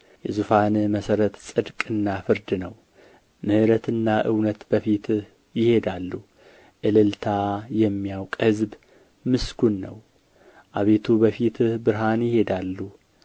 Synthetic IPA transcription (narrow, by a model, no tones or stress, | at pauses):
jɛzufanməsəɾət̪sʼɨd̪kʼɨnːafɨɾd̪nəw | mɨhɨɾət̪ɨnːaʔɨwnət̪bəfit̪ | jɪhe̞d̪alːu | ʔɨlɨlt̪ʰajɛmːijawkʼhɨzb | mɨsɡunːə̰w | ʔaβe̞t̪ʰubəfit̪bɨɾɦanjɪhe̞d̪alːu